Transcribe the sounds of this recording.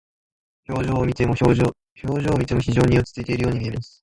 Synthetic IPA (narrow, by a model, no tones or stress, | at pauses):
çoːʑoːmʲit̪emo | ço̞ːʑo̞ːmʲit̪e̞mo̞çiʑo̞ːɲ̟iot͡sɨ̥t͡sɨit̪e̞iɾɯjoːɲ̟iiemasɨ̥